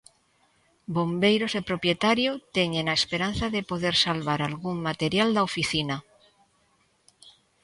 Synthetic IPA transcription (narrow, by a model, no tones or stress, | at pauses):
bombejɾosepɾopjet̪aɾjot̪eɲẽŋaespeɾan̟θaðepoðeɾsalβaɾalɣuŋmat̪eɾjald̪aofiθina